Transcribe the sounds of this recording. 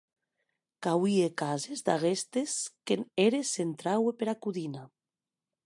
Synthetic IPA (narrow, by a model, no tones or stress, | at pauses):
kawiekazezd̪aɣest̪eskeneɾesent̪ɾawepeɾakuðina